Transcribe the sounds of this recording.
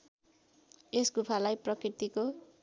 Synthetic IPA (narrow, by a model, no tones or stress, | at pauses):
esɡupʰalajprʌkrirt̪iko